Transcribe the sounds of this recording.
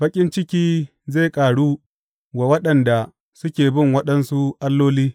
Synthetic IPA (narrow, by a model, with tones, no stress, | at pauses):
bɐ˦kʲʼɪ˦nt͡ʃɪ˦kʲiː˦ | ze˦˨kʼaː˨ɽuː˦ | wa˨wɐ˦ɗɐ˨nda˨ | sʊ˦kʲeː˨bɪ˦˨ŋwɐ˦ɗɐ˦nsu˦ʔa˦lːoː˦liː˦